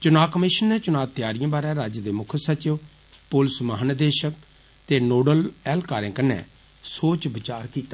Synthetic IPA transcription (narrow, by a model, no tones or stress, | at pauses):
t͡ʃʊnaːkəmɪʃənːeːt͡ʃʊnaːt̪ɪjaːɾijãːbaːɾɛ̃ːɾaːd͡ʒəd̪eːmʊkʰəsət͡ʃɪʋ | pʊlsməɦənəd̪eːʃək̚ | t̪eːnoːɖəlɛːlkaːɾẽːkənːɛ̰ː | soːt͡ʃbɪt͡ʃaːɾkiːt̪aː